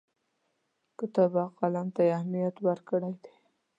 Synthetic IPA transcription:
kət̪abɑqalamt̪ajahmijat̪wəɾkəɽajd̪e

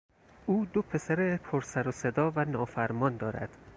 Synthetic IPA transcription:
uːd̪opʰe̞sæɾepʰoɾsæɾosed̪ɒːvænɒːfæɾmɒːnd̪ɒːɾæ̰d̪̥

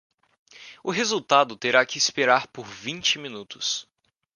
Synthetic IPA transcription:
ʊɦezuwt̪ad̪ʊt̪eɾakɪːspeɾaɾpoɾvĩnt͡ʃɪmĩnut̪ʊ̥s

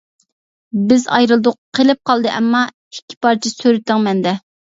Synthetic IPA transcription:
bɪzɑ̰jɾɨlˠd̪ʊqqʰːelɪp̚qʰɑlˠd̪ɨʔɛmːɑ | i̥kʲʰːi̥pɑɾt͡ʃʰisøɾɪt̪ʰːɪŋmɛnd̪ɛ

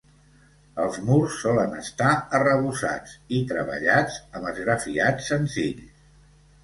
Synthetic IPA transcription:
əlˠzmursːɔlənə̰st̪aərəβusa̰t͡sit̪ɾəβə̰ʎad͡zəməzɣɾəfiat͡sːənziʎ

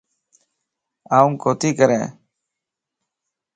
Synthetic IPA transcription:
aːʊŋkoːt̪iːkəɾɛ̰̃ː

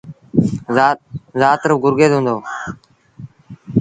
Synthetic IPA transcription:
zaːt̪ɾəɡʊɾɡeːd̪ɦũːnd̪oː

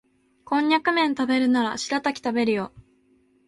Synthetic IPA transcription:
kõ̞ɲ̟ːakɯ̟mẽ̞nt̪abe̞ɾɯ̟naɾa̰ɕiɾat̪akʲi̥t̪abe̞ɾɯ̟jo̞

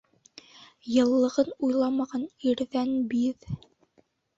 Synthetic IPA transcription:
jɤ̆lˠːɤ̆ʁɤnujlˠɑmɑʁɑniɾðænbið

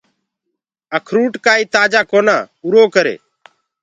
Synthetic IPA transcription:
əkʰɾuːʈkaːiːt̪aːd͡ʒaːkoːnãːʊɾoːkəɾḛː

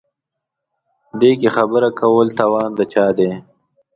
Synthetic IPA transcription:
d̪eːk̬exabəɾakawəlt̪awɑːnd̪ət͡ʃɑːd̪eː

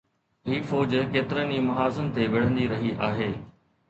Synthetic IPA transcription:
ɦiːfoːd͡ʑkeːt̪ɪɾəniːmɐɦaːzənt̪eʋɐɽ̤ə̃nd̪iɾɐɦiʔaːɦeː

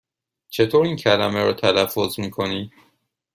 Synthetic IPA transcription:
t͡ʃʰe̞t̪ʰoːɾiːncʰælæmeɾɒ̰ːt̪ʰælæfːozmiːkʰoniː

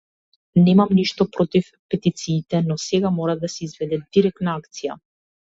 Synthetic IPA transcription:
nɛmamniʃt̪ɔpɾɔt̪if | pɛt̪it̪siːt̪ɛnɔsɛɡamɔɾad̪asɛizvɛd̪ɛd̪iɾɛk̚t̪naakt̪sija̰

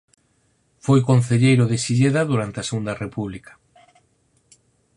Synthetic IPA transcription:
fojkon̟θeʎejɾʊðɪsiʎeðaðuɾant̪eɐseɣund̪ɐrepuβlikɐ̥

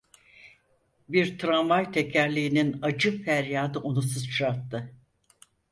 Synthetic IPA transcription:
biɾt̪ʰɾamajt̪ʰecʰæɾlʲiːninad͡ʒɯfæɾjaːd̪ɯʔonusɯzt͡ʃʰɾat̪ːɯ

